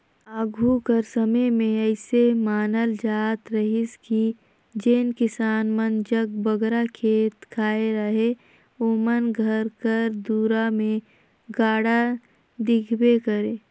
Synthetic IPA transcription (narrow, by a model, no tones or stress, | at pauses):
aːɡʱukəɾsəməjmẽəɪsemaːnəld͡ʒaːt̪ɾəɦɪski | d͡ʒeːnkɪsaːnmənd͡ʒəɡbəɡɾakʰeːt̪kʰaːeɾəɦe | oːmənɡʱəɾkəɾd̪uːɾamẽ | ɡaːɽa | d̪ɪkʰbekəɾeː